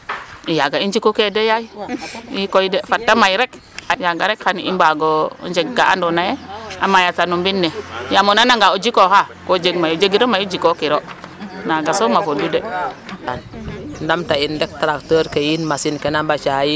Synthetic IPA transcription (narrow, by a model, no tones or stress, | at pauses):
ijaɡaind͡ʒikokedejaiikoidefatːamajɾek | ajaɡaɾekhanḭmbaɡo̰nd͡ʒeɡɡaa̰ndonajea̰majatanumbinːejamonanaŋɡaod͡ʒikohakod͡ʒeɡmajud͡ʒeɡiɾomajud͡ʒikokiɾonaɡasomavobudetanndamtaindek̚taɾaktəɾkejinmasinkenabat͡ʃaji